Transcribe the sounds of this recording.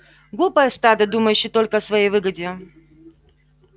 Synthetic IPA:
ɡlˠupəjəst̪ad̪əd̪uməjʉɕːɪt̪o̞lʲkəɐsvɐjejvɨɡədʲɪ

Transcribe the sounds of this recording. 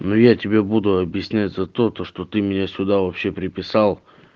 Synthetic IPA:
nojatʲɪbʲebud̪ʊɐbjɪsʲnʲætʲzɐt̪o̞t̪oʂt̪o̞t̪ɨmʲɪnʲasʲʊd̪avɐpɕːe̞pɾʲɪpʲɪsalˠ

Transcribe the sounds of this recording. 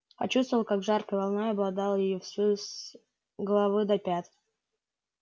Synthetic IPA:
pɐt͡ɕust̪vəlˠkaɡʐarkəjvalˠnojɐblˠɐd̪ɑlˠjɪjɔfsvɨs | ɡəlˠɐvɨd̪ɐpʲat̪

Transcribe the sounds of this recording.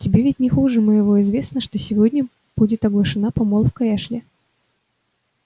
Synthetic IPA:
tʲɪbʲevʲɪtʲnʲɪxuʐɨmɨjɪvoɪzvʲe̞snəʂt̪osʲɪvodʲnʲə | b̥udʲɪt̪ɐɡlˠəʂɨnapɐmolˠfkɐɛʂlʲɪ

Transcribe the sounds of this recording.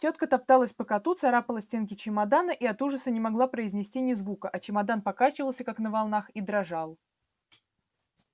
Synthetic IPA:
tʲot̪̚kət̪ɐp̚t̪alˠəsʲpəkɐt̪ut̪sɐɾapəlˠəsʲtʲenkʲɪt͡ɕɪmɐd̪anəʔiɐt̪uʐəsənʲɪmɐɡlˠapɾəɪzʲnʲɪsʲtʲinʲɪzvukəʔɐt͡ɕɪmad̪anpɐkat͡ɕɪvəlˠsʲəkaknəvɐlˠnaxid̪ɾɐʐalˠ

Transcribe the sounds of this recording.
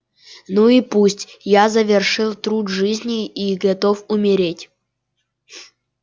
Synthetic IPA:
nuipusʲtʲjazəvʲɪrʂɨlˠt̪ɾud̪ʐɨzʲnʲiiɡɐt̪ofʊmʲɪɾʲetʲ

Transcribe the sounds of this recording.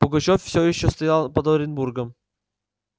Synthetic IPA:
pʊɡɐt͡ɕoffsʲojɪɕːost̪ɐjalˠpɐd̪oɾʲɪnburɡəm

